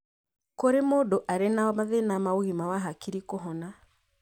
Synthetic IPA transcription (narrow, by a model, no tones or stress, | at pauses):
koɾemodoʔaɾenamaðenamaoɣimawaɦakiɾikoɦɔna